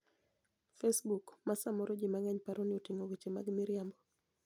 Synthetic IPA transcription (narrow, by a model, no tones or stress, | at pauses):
fesbukmasamɔɾod͡ʒimaŋɛɲpaɾonɪotiŋoɡot͡ʃema̰ɡmiɾjambɔ